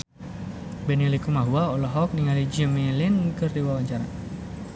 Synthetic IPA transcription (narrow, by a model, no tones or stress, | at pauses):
bɛnilikumaɦuaɔlɔɦɔk̚niŋalid͡ʒimilinkɨrdiwawaɲt͡ʃaɾa